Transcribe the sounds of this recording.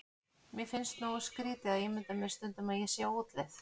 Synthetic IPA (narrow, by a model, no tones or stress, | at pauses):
mjɛfɪnst̪noːɣaskɾiːt̪ɪaðeːmɪnt̪amɛɾ̥st̪ʏnt̪ʏmaðjɛsjɛowt̪leθ